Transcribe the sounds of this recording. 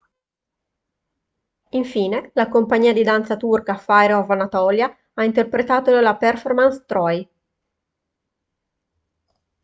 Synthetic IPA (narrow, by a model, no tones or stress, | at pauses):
iɱfiːnelakompaɲːiːad̪id̪ant̪sat̪urkafajɾovanat̪ɔːlja | aint̪erpɾet̪aːt̪onelaperformanst̪ɾɔj